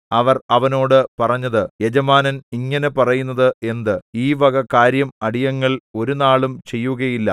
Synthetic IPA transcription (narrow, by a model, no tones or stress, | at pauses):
ɐʋɐrɐʋɐno̞ːɽɨpɐrɐɲːɐðɨjed͡ʑɐmaːnɐniŋːɐnepɐrɐjunːɐðɨe̞nd̪ɨiːʋɐɣɐkːaːɾjɐmɐɽijɐŋːɐɭo̞ɾunaːɭumt͡ɕe̞jːuɣɐjilːɐ̰